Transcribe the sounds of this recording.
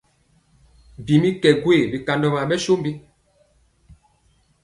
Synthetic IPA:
m˨bi˨mi˦kɛ˨ɡwe˦˨bi˨ka˨ndɔ˨ma˨ɓɛ˦ʃo˦mbi˦

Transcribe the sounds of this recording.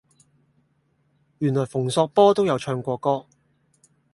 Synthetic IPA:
jyː˨˩nlɔː˨˩jfʊ˨˩ŋsɔː˧k̚pɔː˥t̪o˥wjɐ˨˧wt͡ʃʰœː˧ŋkʷɔː˧kɔː˥

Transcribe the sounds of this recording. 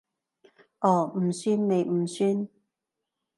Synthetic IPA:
ʔɔː˨˩m̩˨˩syː˥nme˨˧jm̩˨˩syː˧˥n

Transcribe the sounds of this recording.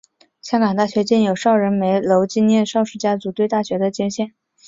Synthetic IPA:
ɕjɑ˥ŋkɑ˨˩ŋt̪a˥˩ɕɥɛ˧˥t͡ɕjɛ˥˩njo˨˩ʊʂɑ˥˩ʊɻə˧˥nme˧˥ɪlo˧˥ʊt͡ɕi˥njɛ˥˧nʂɑ˥˧ʊʂɻ̩˥˩t͡ɕja˥t͡su˧˥t̪we˥˧ɪt̪a˥˩ɕɥɛ˧˥d̪ə˧t͡ɕjɛ˥ɕjɛ˥˩n

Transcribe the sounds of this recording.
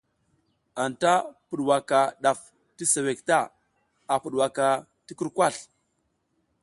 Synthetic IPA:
a˨nta˦pu˨ɗwa˨ka˨ɗa˨f | ti˦se˨we˨k̚ta˦ | a˨pu˨ɗwa˨ka˨ | ti˦ku˦ɾkʷa˦˨ɬ

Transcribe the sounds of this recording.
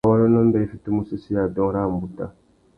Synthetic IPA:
wa˦ɾɔ˦nɔ˦m̩˦bɛ˦i˨fi˨tu˦mu˦si˦si˦ja˨dɔ̃˦ɾa˦˨m̩˨bu˨ta˦

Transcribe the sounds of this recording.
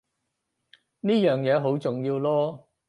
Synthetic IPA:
niː˥jœː˨ŋjɛː˨˧ɦo˨˥wt͡sʊ˨ŋjiː˧wlɔː˥

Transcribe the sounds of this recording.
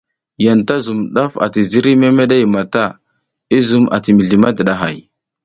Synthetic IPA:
ja˨nta˦zu˨mɗa˦fa̰˨ti˨zi˦ɾi˦me˦me˦ɗa˦jma˨ta˦˨ | i˦zu˨mʔa̰˨ti˨mi˨ɮi˨ma˦də˨ɗa˨ɦa̰˨j

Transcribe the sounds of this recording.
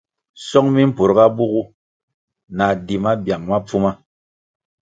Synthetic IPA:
sɔ˦ŋmi˦m̩˦pu˨ɾɡa˦bu˦ɣu˦ | na˨di˨ma˦bja˨ŋma˦p͡fu˦ma˦

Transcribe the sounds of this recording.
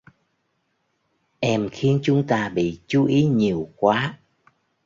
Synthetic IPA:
ʔɛ˧mxi˧ənt͡ɕʊ˨˦ŋ͡mt̪aː˧ɓḭ˧˨t͡ɕu˨˦ʔi˨˦ɲi˨˩əwkwaː˨˦

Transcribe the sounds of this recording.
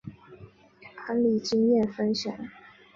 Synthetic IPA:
ʔa˧˥nli˨˩t͡ɕi˥ŋjjɛ˥˨˩nfə˥nɕja̰˨˩˦ŋ

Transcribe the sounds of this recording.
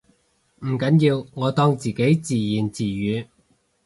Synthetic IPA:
m̩˨˩kɐ˨˧˥njiː˧wŋɔː˨˧t̪ɔː˥ŋt͡siː˨˩ke˨˥jt͡siː˨˩jiː˨˩nt͡siː˨jyː˨˧

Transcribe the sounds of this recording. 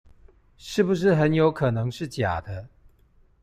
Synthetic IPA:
ʂɻ̩˥˩bu˨ʂ̬ɻ̩˥˩xə˧˦njo˧˥ʊkʰɤ˨˩nɤ˧˦ŋʂɻ̩˥˩t͡ɕja̰˨˩d̪ə˦

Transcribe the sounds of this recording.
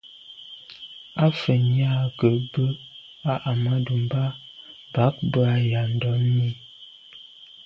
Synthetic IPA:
a˦fə˨ɲ˦a˦kə˨bə˦ | a˦ʔa˨ma˦du˨m˦ba˦ | ba˨˦k̚bə˦a˦ja˨n̩˨dɔ˨˦mi˦

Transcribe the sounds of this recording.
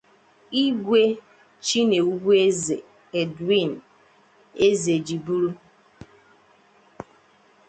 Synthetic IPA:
i˦ɡʷe˦ | t͡ʃi˦ne˨u˦bu˦e˦ze˨ | e˨dwi˦˨n˨ | e˦ze˨d͡ʒi˨bu˦ɾu˦

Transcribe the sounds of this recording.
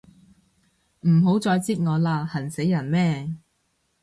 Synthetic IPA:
m̩˨˩ɦo˨˥wt͡sɔː˧jt͡siː˥t̚ŋɔː˨˧laː˧hɐ˨˩nse˨˥jːɐ˨˩nmɛː˥˩

